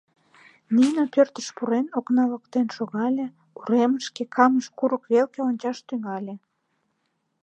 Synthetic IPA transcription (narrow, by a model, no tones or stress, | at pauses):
ninopørt̪ə̥ʃpuɾenoknɑləkt̪enʃoɣɑlʲe | uɾeməʃkekʰɑməʃkuɾəkβelkeonʲt͡ɕɑʃt̪yŋɑlʲe